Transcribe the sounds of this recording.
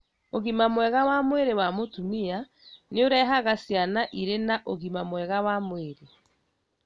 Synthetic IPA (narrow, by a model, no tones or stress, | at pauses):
oɣimamwɛɣawamweɾewamotumia | neoɾɛɦaɣasjanaʔiɾenaʔoɣimamwɛɣawamweɾe